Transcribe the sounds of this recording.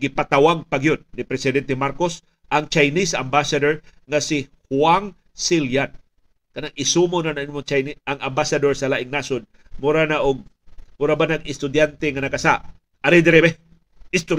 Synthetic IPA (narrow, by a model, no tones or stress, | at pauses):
ɡɪpat̪ɐwaɡ̚pɐɡɪjonːɪpɾɛsɪd̪ɛnt̪ɛmaɾkos | ʔɐŋt͡ʃajnisɐmbasɐd̪oɹ | ŋɐsɪhwaŋ | siljan | kɐnaŋʔɪsumonanɐŋʔɪnmoŋt͡ʃajniʔɐŋɐmbasɐd̪oɹsɐlaːʔɪŋnasod̪̚ | mʊɾanaʔʊɡ̚ | mʊɾabanɐɡɪst̪ʊd̪jant̪ɛŋɐnɐkɐsaʔ | ʔɐɾid̪ɛɾɛbɛ | ɪst̪ʊ